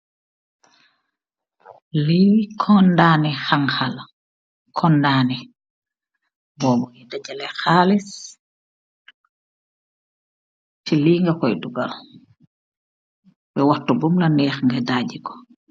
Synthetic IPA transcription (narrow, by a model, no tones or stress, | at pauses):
likʰɔndaːnɛxaŋxal | kʰɔndaːnɛ | bɔbɔŋɛdad͡ʒɛlɛxaːlis | tiliːŋɡakɔjduɡa̰l | bɛwatɔbumlanɛːxŋɡɛdaːd͡ʒikɔ̥